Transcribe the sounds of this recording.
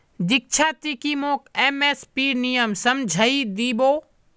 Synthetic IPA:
d̪ɪk̚t͡ʃʰaːt̪ikimoːkeːmeːspiːɾnijəmsɐmd͡ʒʱəid̪iːboː

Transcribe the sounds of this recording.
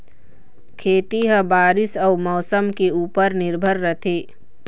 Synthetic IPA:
kʰeːt̪iɦə̃baːɾɪsəːmɔːsəmkeuːpəɾnɪɾbʱəɾːət̪ʰeː

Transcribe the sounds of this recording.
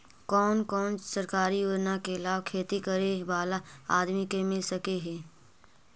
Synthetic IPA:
kɔːnkɔːnsəɾkaːɾijuɾnakeɪlaːbkʰeːt̪ikəɾebaːlaaːd̪mikemɪlsɐkeɦɛː

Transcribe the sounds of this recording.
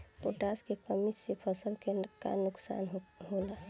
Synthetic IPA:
oʈaːskekəmit͡ʃsepʰəsəlkeka̰nʊksa̰ːnɦɦola

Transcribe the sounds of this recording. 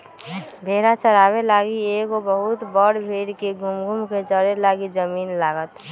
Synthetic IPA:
bʱeːɾat͡ʃəɾaːbelaɡiekobəɦʊt̪bəɽbʱeɽkeɡʱumɡʱumket͡ʃəɾelaːɡid͡ʒəmiːnlaːɡət̪

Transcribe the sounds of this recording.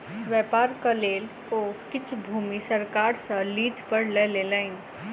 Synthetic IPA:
ʋjɛpaːɾkəleːl | okɪt͡ʃʰbʱumisəɾkaɾsə̃liːd͡ʒpəɾleleləɪn

